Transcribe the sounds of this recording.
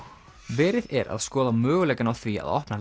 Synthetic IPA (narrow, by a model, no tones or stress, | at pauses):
vɛːɾɪðɛɾa̰ðskɔːðamœːɣʏlɛːkɪnawθvia̰ðɔ̰hpna